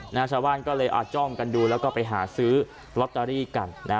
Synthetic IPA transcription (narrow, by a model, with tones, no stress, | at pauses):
na˦˥t͡ɕʰaː˧wbaː˥˩nkɔː˥˩lɤː˧jʔa̰ː˨˩t̪̚t͡ɕɔ˥˩mka˧nduː˧lɛː˦˥wkɔː˥˩pa˧jɦaː˩˦sɯː˦˥ | ɾo˦˥t̪̚t̪aː˧ɾiː˥˩ka˧nːʔa˦˥